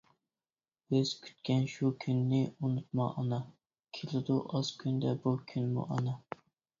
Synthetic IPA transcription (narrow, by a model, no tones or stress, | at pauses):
bɪz̥kʲʰy̥t̪kʲɛnʃukʲʰynːɪunut̪̚mɑ̰ʔːnɑ | kʲʰelɪd̪uʔɑz̥kʲʰynd̪ɛbukʲʰynmṵʔɑnɑ